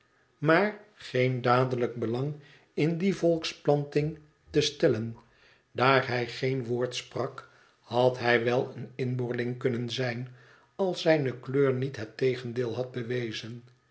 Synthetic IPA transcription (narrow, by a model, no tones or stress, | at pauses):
maːɹχendaːdələɡ̚bəlɑŋ | ɪndivɔlˠksplɑntɪŋ | təstɛlən | daːɹɦɛjχejnʋoːɹtsprɑk | hɑtɦɛjʋɛlˠənɪnbʊɹlɪŋkɵnənzɛjn | ɑlˠsɛjnəkløːɹnitɦɛtejχəndeːlˠɦɑd̚bəʋejzən